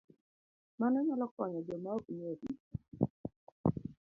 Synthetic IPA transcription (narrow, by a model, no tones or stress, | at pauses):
manɛɲalɔkwaɲɔd͡ʒɔmaokɲoti